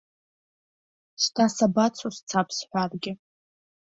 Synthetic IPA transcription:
stʰasabat͡sʷʰost͡sʰapʰsħʷᶣarɡʲɪ

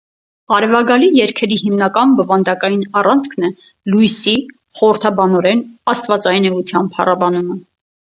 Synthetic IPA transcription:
ɑɾɛvɑɡɑlijɛɾkʰɛɾihimnɑkɑnbɔvɑnd̪ɑkɑjinɑrɑnt͡sʰkʰnɛ | lujsi | χɔɾəɾt̪ʰɑbɑnɔɾɛnɑst̪vɑt͡sɑjinɛut͡sʰjɑmpʰɑ̰rɑbɑnumə

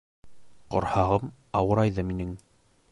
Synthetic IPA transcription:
qŏ̰ɾhɑʁɤm | ɑwɤ̆ɾɑjðɤminɘŋ

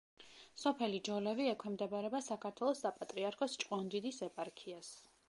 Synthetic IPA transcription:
sɔpʰɛlid͡ʒɔlɛviɛkʰwɛmd̪ɛbaɾɛbasakʰaɾt̪ʰwɛlˠɔsːapʼat̪ʼɾiaɾkʰɔst͡ʃʼqʼwɔnd̪id̪isɛpʼaɾkʰias

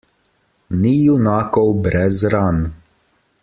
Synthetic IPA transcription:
nijunaːkɔwbɾɛzɾan

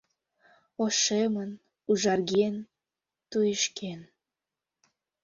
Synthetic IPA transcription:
oʃemən | uʒɑrɡen | t̪ujeʃkʰen

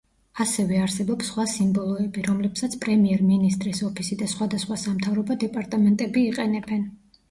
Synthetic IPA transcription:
asɛvɛaɾsɛbɔpsχwasimbɔlˠɔɛbiɾɔmlɛpsat̪sʰpʼɾɛmiɛɾminist̪ʼɾisɔpʰisid̪asχwad̪asχwasamt̪ʰavɾɔbɔd̪ɛpʼaɾt̪ʼamɛnt̪ʼɛbiːqʼɛnɛbɛn

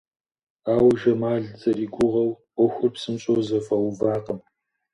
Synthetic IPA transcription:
aːwʒɐmaːɮzɐriːɡʷʊʁɐw | ɔxʷʊrpsɨmɕʼowzɐfɐwʊvaːqəm

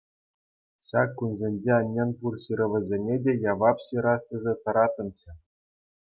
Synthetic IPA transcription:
ɕɑkːunzʲenʲd͡ʑeɑnʲːɑnpurɕiɾʲɤ̆ʋʲɘ̆zʲenʲedʲejɑʋɑpɕiɾɑstʲɤ̆zʲet̪ɤ̆ɾɑt̪ɤ̆mt͡ɕɘ̆

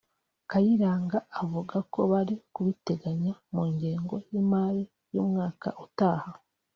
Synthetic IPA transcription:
kajiɾaːŋɡaːvuɡako̞βaɾikuβite̞ɡaɲamuːɲɟeːŋɡo̞jiːmaɾi | jṵːmŋaːka̰ʔutaːha

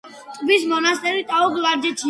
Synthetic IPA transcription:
t̪ʼbismɔnast̪ʼɛɾit̪ʼaɔɡlaɾd͡ʒɛt͡ʃʰi

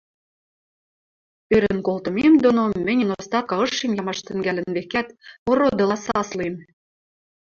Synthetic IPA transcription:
eɾɘ̆nkolt̪ɤ̆memd̪onomːɘ̆nʲənost̪ɑkɑɤ̆ʃːemjɑmɑʃt̪ɘ̆ŋɡælɘ̆nβekæt̪orod̪ɤ̆lɑsɑslem

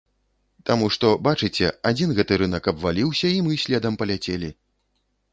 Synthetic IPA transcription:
t̪amuʂt̪ɔbat͡ʂɨt͡sʲɛad͡zʲinɣɛt̪ɨɾɨnɐkɐbvalʲiwsʲɐimɨsʲlʲɛd̪ɐmpɐlʲat͡sʲelʲi

